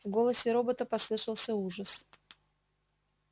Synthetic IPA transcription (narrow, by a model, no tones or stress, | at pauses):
vɡo̞lˠəsʲɪɾo̞bət̪əpɐslˠɨʂəlˠsʲəuʐəs